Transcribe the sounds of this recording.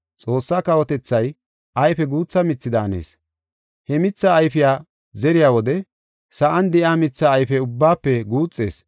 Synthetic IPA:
t͡sʼo̞ːsːaːkɐwɔt̪ɛt͡sːɐj | ʔɐjfɛɡuːt͡sːɐmɪt͡sːɪd̪aːnḛːs | hɛmɪt͡sːaːjfɪjaː | zɛɾɪjaːwɔd̪ɛ | sɐʔɐnd̪ɛʔaːmɪt͡sːaːjfɛʊbːaːpːɛɡuːt͡sʼːḛːs

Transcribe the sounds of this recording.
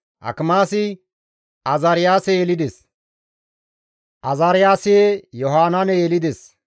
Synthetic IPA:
ʔɐ̰kmaːsɪ | ɐzɐɾɪjaːsɛjɛlɪd̪ɛs | ʔɐzaɾɪjaːsɪjejɔɦaːnɐnɛjɛlɪd̪ɛs

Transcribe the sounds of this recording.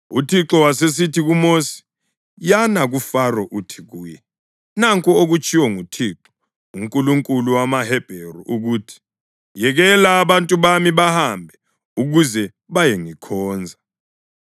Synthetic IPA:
utʰiǁɔwases̬itʰiɣumosi̥ | janaɣufarɔʔutʰi̥ɣuːjɛ | naŋkʼɔoɣut͡ʃʰʼiwɔŋutʰiǁɔ̥ | uŋkʼuluŋkʼuluwamahɛb̥ʱeruʔuɣuːtʰi̥ | jɛɣɛlaːβantʼuβamiβahambʱɛ | uɣuzɛ | βajeŋikʰɔːnd͡zʱa

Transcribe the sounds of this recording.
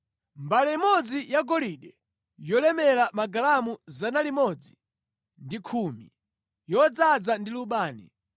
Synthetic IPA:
mbalɛimɔd͡zijaɡɔliɗɛ | jɔlɛmɛlamaɡalamuzanalimɔd͡zi | ndikʰuːmi | jɔd͡zad͡zandiluɓaːnḭ

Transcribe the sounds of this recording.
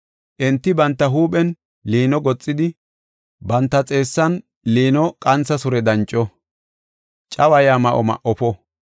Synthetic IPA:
ʔɪnt̪ːɪbɐnt̪ːɐɦuːpʼɛn | liːnɔɡɔt͡sʼːɪd̪ɪ | bɐnt̪ːɐt͡sʼe̞ːsːɐn | liːnɔkʼɐnt͡sːɐsʊɾɛd̪ɐnt͡ʃʼːɔ | t͡ʃʼɐwɐjaːmɐʔɔmɐ̰ʔɔpɔ

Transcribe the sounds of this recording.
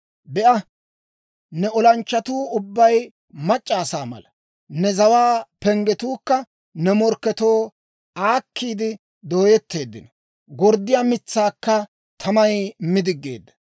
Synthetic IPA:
bɛʔɐ | nɛɔlɐnt͡ʃːɐt̪uːʊbːɐj | mɐt͡ʃʼːaːsaːmɐ̰lɐ | nɛzɐwaːpɛŋɡɛt̪uːkːɐ | nɛmɔɾkːɛt̪o̞ː | aːkʰːiːd̪ɪ | d̪o̞ːjɛt̪ːe̞ːd̪ːɪnɔ | ɡɔɾd̪ɪjaːmɪt͡sːaːkːɐ | t̪ʰɐmɐjmɪd̪ɪɡːḛːd̪ːɐ̥

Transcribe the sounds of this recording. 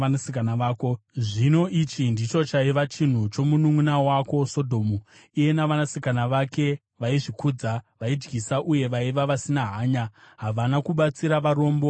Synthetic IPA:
anasikanaʋaːkoʐino̞ʔit͡ʃindit͡ʃo̞t͡ʃaiʋat͡ʃin̤ut͡ʃo̞munuŋunawako̞so̞dʱo̞ːmu | ije̞naʋanasikanaʋake̞ | ʋaiʐikud͡zaʋaid͡ʒɡisaʔuje̞ʋaiʋaʋasinaɦaːɲaɦaʋanakuɓat͡siɾaʋaɾo̞ːmbo̞

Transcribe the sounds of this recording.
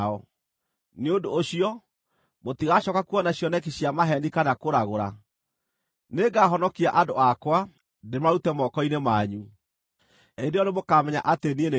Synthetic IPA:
ɔ | neondoːɕiɔ | motiɣaɕɔkakuɔnaɕjɔnɛkeɕiamaɦɛndikanakoɾaɣoɾa | neɡaɦɔnɔkiaʔadoakwa | demaɾutɛmɔkɔinemaɲu | edeɔnemokamɛɲa̰ʔateniene

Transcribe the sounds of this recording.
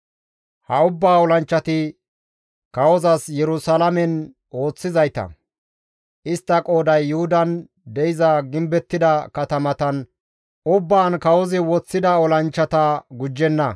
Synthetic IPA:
hɐʊbːaːɔlɐnt͡ʃːɐt̪ɪ | kɐwɔzɐsjɛɾʊsɐlɐmɛn | o̞ːt͡sːɪzɐjt̪ɐ̰ | ʔɪst̪ːɐkʼo̞ːd̪ɐjːʊhʊd̪ɐn | d̪ɛɪzɐɡɪmbɛt̪ːɪd̪ɐkɐt̪ɐmɐt̪ɐn | ʔʊbːaːnkɐwɔzɪwɔt͡sːɪd̪ɐɔlɐnt͡ʃːɐt̪ɐɡʊd͡ʒːɛnːɐ

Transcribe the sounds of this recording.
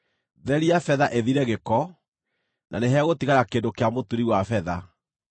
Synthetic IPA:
ðɛɾiafɛðaʔeðiɾɛɣekɔ | nʔa̰neɦɛɣotiɣaɾakendokeamotuɾiwafɛða

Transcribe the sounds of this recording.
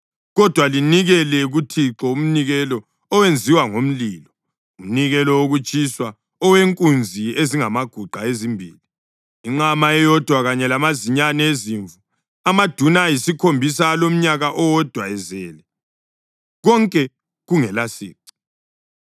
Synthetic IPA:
ɣɔd̥ʱwaliniɣɛlɛɣutʰiǁɔum̩niɣɛlɔ | ɔwend͡zʱiwaŋom̩liːlɔ | um̩niɣɛlɔwoɣut͡ʃʼiswa | ɔweŋkʼund͡zʱieziŋamaɡ̥ʱuɡ͡ǃʱaezimbʱḭːli | iŋ͡ǁamaɛjɔd̥ʱwaɣaɲɛlamaziɲanɛeziɱvu | amad̥ʱunajisikʰombʱisaːlom̩ɲaɣaʔɔwɔd̥ʱwaɛzɛːlɛ | ɣɔŋkʼɛ | ɣuŋɛlasḭːǀi̥

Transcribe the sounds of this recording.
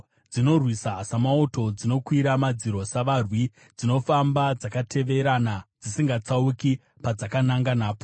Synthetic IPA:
d͡zino̞rwisaːsamauto̞d͡zino̞kwiɾamad͡ziɾo̞saʋarwi | d͡zino̞fambad͡zakatʰe̞ʋe̞ɾanad͡zisiŋɡat͡sauki | pad͡zakanaŋɡanaːpo

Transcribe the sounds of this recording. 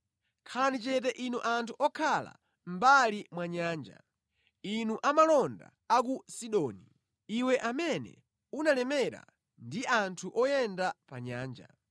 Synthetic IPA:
kʰalanit͡ʃɛtɛʔinuʔantʰuʔɔkʰala̰ | m̩balimwaɲaːnd͡ʒa̰ | inuʔamalɔnda̰ | akusiɗɔːni | iwɛʔamɛnɛ̰ | unalɛmɛɾa̰ | ndiʔantʰuʔɔjɛndapaɲaːnd͡ʒa̰

